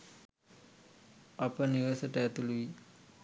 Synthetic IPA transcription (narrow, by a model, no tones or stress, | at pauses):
apəniʋəsəʈəɛt̪uluʋi